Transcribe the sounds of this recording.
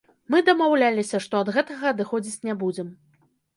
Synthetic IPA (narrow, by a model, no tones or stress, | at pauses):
mɨd̪ɐmawlʲalʲisʲɐʂt̪ɔɐd̪ɣɛt̪ɐɣɐːd̪ɨxɔd͡zʲit͡sʲnʲɛbud͡zʲɛm